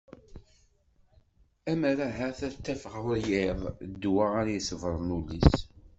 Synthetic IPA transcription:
æməɾæɦæθæt̪ːæfəʁjɪðˤd̪ːwaaɾjəsəvɾˤnulːis

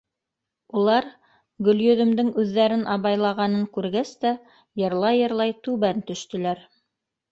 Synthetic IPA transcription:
ulˠɑɾ | ɡɵ̆ljɵ̆ðɵ̆md̪ɘŋʉðːæɾɘnʔɑβɑjlˠɑʁɑnɤŋkʉɾɡæst̪æ | jɤ̆ɾlˠɑjɤ̆ɾlˠɑjt̪ʉβænt̪ɵ̆ʃt̪ɵ̆læɾ

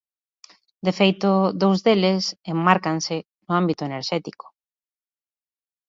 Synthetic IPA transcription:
d̪efejt̪ʊðowzðelesemːaɾkansɪ | nʊambit̪oeneɾʃɛt̪ikʊ̥

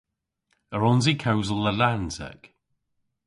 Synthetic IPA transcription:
əɹɔnzikʰawzəlˠəlanzə̰k

